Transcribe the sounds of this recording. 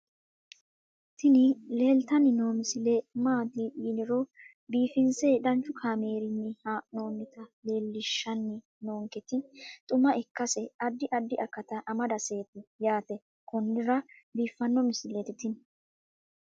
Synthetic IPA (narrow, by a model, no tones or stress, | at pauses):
t̪ʰɪnɪle̞ːlt̪ɐnɪno̞ːmɪsɪlemaːd̪iːʔiːnɪɾɔ | biːfɪnsed̪ɐnt͡ʃːʊkʰaːme̞ːɾɪnːɪhano̞ːmɪt̪ɐle̞ːlːɪʃːɐnːɪ | noːŋkɛt̪ɪt̪ʼʊmɐʔɛkːɐsɛɐd̪ːɪʔɐd̪ːɪʔɐkːɐt̪ɐʔɐmɐd̪ɐse̞ːt̪ɪjaːt̪ɛ | kɔnːɪɾɐbiːfːɐnːɔmɪsɪlɛt̪ɪt̪ɪn